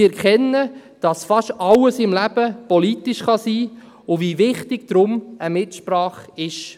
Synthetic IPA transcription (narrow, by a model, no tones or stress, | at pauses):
ɛɾkʰɛnːəd̥ɑsfɑʃtɑwəsɪmlæb̥əpɔlitɪʃχɑsiː | ʊvivɪχtɪɡ̥d̥ɾʊməmɪtʃpɾɑːχɪʃ